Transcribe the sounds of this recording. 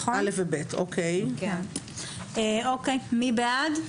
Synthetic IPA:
χalefvebetokʰejk | eokejmibead

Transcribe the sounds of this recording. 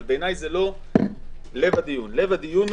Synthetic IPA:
lbeenajzelo̞ | le̞vad̪ijunle̞vad̪ijun

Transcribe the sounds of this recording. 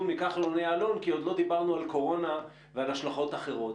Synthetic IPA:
mikaχloneaːlo̞nkio̞d̪lo̞d̪ibaʁnualko̞ʁo̞na | vealaʃlaχo̞t̪aχe̞ʁo̞t

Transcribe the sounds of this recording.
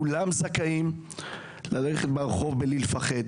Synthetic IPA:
ulamzakaim | laleχet̪baʁχo̞vbelilfaχe̞d̪

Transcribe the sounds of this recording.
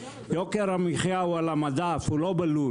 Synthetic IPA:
jokeɾamiχjaualamad̪afulobalu

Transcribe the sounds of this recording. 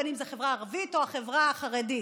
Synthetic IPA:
animzeχe̞vʁaːʁavito̞aχevʁaχaʁedi

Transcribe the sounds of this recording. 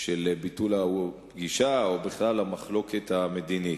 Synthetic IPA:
ʃelbitulapɡiʃaobiχlalhamaχlo̞ket̪amed̪ini

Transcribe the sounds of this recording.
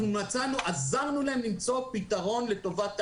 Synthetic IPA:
nunat͡sanuʔazaʁnulaemnimt͡so̞pitaʁo̞nle̞to̞vat

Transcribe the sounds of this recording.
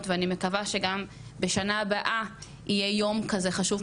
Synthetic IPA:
tveanime̞kavaʃe̞ɡam | be̞ʃanaːbaʔa | ije̞jo̞mkaze̞χaʃuv

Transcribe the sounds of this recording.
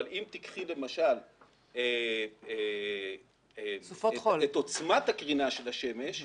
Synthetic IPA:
limt̪ikχile̞maʃal | ee | efoolet̪o̞t͡smat̪hakʁinaʃe̞laʃe̞me̞ʃ

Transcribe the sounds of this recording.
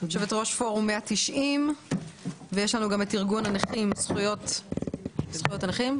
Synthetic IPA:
aʃevetʁo̞ʃfo̞ʁumːeat̪iʃʔim | vejeʃlanuɡametiʁɡunaneχimsχujot̪ | sχujo̞taneχim

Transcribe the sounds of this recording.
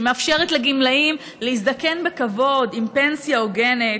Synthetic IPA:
meafʃeʁetleɡimlaim | leis̬d̪ake̞nbekavo̞dimpe̞nsjaoɡenet

